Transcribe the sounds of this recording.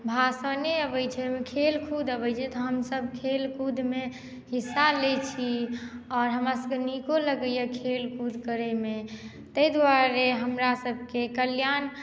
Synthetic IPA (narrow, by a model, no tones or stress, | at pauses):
bʱasəneəbəjt͡ʃʰɛmekʰelkʰud̪ʱəbət͡ʃʰɛt̪ɔɦəmsəb̚kʰelkud̪ʱme | hisːalet͡ʃʰiɔːɾɦəmɾasəmkenikoləɡəjəkʰelkud̪ʱkəɾeme | t̪əid̪waɾeɦəmɾasəbʱkekəljan